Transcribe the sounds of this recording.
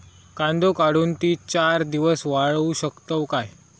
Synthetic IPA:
kãnd̪ʱokaɽuːnt̪iːt͡ɕaɾd̪iʋəsʋaɭuɕəkt̪əʋkaj

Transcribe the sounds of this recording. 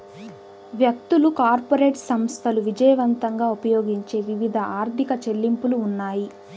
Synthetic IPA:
ʋjɐk̚t̪ulukaːɾpoɾe̞ːʈsɐmst̪ʰɐluʋid͡ʒɐjɐʋɐnt̪ɐŋɡaːupɐjoːɡiɲt͡ʃe̞ːʋiʋid̪ʱɐaːɾt̪ikɐt͡ʃelːimpuluːnːaːji

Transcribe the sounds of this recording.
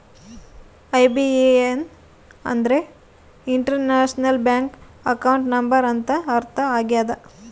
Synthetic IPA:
ɐjbieen | ɐ̰nd̪ɐɾe | iɳʈɐɾnaːʂnɐlbjaːŋkɐkɐwɳʈnɐmbɐɾɐnt̪ɐːɾt̪ʰɐaːɡjaːd̪ɐ

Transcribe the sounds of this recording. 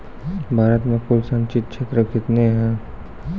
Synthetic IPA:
bʱaːɾət̪mẽkulsə̃nt͡ʃɪt̪̚kʃʰeːt̪ɾəkɪt̪neɦɛ̃

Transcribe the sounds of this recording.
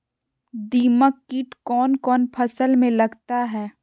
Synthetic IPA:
d̪iːməkːiːʈkɔːnkɔːnpʰɐsəlmẽlɐɡt̪aɦɛː

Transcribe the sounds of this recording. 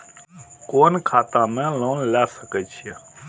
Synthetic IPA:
koːnkʰaːt̪ãːmẽːloːnlaːsəkət͡ʃʰie

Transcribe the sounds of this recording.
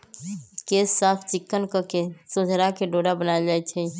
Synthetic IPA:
kesːaːpʰt͡ʃɪkːənkəkesʊd͡ʒʱɾakeɖoɽabənaed͡ʒaɛt͡ʃʰɛ

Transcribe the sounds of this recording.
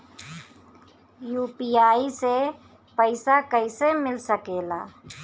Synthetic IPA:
juːpiːaːise | pəɪsakəɪsemɪlsəkeːla̰ː

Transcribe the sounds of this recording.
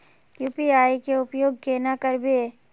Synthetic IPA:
juːpiaːikeʊpjoːɡ̚keːnakəɾbe

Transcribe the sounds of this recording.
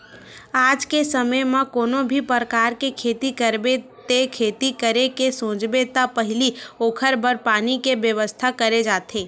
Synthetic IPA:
aːd͡ʒkesəməjmãkoːnobʱipəɾəkaːɾkekʰeːt̪ikəɾbet̪ekʰeːt̪ikəɾekesõːd͡ʒbet̪apəɦɪlioːkʰəɾbəɾpaːnikebjəʋəst̪ʰakəɾed͡ʒaːt̪ʰeː

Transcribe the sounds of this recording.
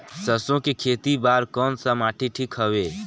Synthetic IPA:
səsõkekʰeːt̪ibaːɾkɔːnsəmaːʈʰiʈʰikɦəweː

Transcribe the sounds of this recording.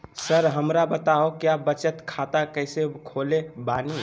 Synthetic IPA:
səɾɦəmɾabət̪aokjabət͡ʃət̪kʰat̪akəjsekʰolebani

